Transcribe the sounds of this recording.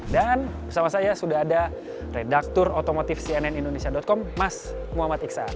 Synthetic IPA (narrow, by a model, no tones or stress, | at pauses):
dan | bərsamasajasudaɦada | redak̚t̪ʊrot̪omot̪ɪfsiɛnɛnindonesiadɔt̪̚kɔmːas | muɦamat̪iksa̰